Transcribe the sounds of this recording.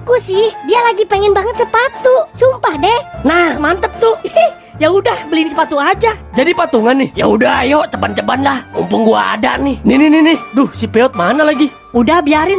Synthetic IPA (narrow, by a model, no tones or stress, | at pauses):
akusɪhdialaɡipɛŋɛnbaŋət̪səpat̪usumpahdɛhnahmant̪əp̚t̪ʊɛh | jaɦudahbəlinisəpat̪uad͡ʒad͡ʒadipat̪uŋanɪhjaɦudajot͡ʃəbant͡ʃəbanlahṵmpʊŋɡua̰ːda̰ʔnɪninininɪdʊhsipeɔt̪̚manalaɡi | udahbiaɾɪn